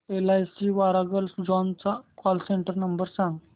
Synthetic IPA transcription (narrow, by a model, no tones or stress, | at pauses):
elajsiʋaɾaɡəlsd͡ʑɔnt͡sakɔlseɳʈəɾnəmbəɾsãŋɡ